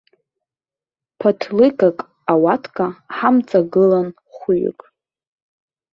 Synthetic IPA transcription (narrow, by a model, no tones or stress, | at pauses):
pʰatʰlɨkʼakʼ | awatʰkʼaħamt͡sʼaɡɨlan | χʷuɥʏ̰kʼ